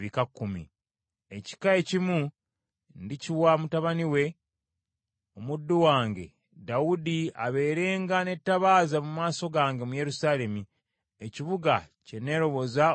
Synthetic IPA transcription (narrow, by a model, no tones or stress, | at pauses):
βikakːumḭ | e̞ci̥kae̞cimu | ndiciwamutaβaniwe̞ | omudːuwaːŋɡe̞̰ | dawudia̰βe̞ːɾe̞ːŋɡane̞tːaβaːzamumaːso̞ɡaːŋɡe̞muje̞ɾusaːle̞mi | eciβuɡa | ce̞ne̞ːɾo̞βo̞za